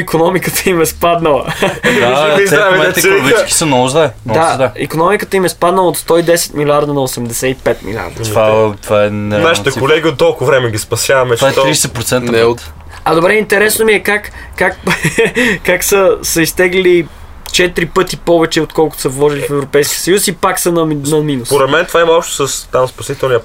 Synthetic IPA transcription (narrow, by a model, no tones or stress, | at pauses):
ikonɔmikət̪əimɛspad̪nəlˠə̰aziaɛmɛɛt̪ɛɡit͡ʃskʲi̥sɐnoʊʒd̪ɛd̪aɛḭkonɔmikət̪əimɛspad̪nəlˠəot̪st̪ɔid̪ɛsɛ̥t̪milʲaɾd̪ənɐosɛmd̪ɛsɛipɛt̪̚mḭlʲa̰ɾd̪ɐt̪vat̪vaɛnɛɾnaʃit̪ɛkolɛɡʲiot̪ːɔlˠkʊvɾɛmɛɡʲispɐsʲjavɐmɛvaɛtt̪ːɾisɛt̪̚pɾot̪sɛnəɛt̪ | ɐd̪obɾɛint̪ɛɾɛsnomiɛkakː | ak | kaksəsɐist̪ɛɡlili | t͡ʃɛt̪iɾipɤt̪ipɔvɛt͡ʃɛot̪kɔlˠkʊt̪ʊ̥sɐvlˠɔʒilifɛvɾopɛjsk̟iəsəjusipaksənɐnɐminuspoɾɛt̪mɛnt̪ovaimɐɔpʃt̪ʊ̥səst̪amspɐsit̪ɛlˠniə